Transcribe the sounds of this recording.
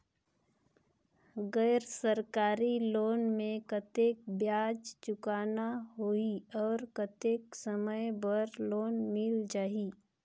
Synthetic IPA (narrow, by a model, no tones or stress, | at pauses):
ɡəːɾsəɾkaːɾiloːnmẽkət̪eːk̚bjaːd͡ʒt͡ʃʊkaːnaɦoiɔːɾkət̪eːksəməjbəɾloːnmɪld͡ʒaːɦi